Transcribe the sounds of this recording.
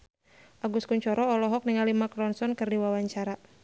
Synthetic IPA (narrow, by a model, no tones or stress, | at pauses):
ʔaɡuskuɲt͡ʃɔɾɔɔlɔɦɔk̚niŋalimakɾɔnsɔnkɨrdiwawaɲt͡ʃaɾa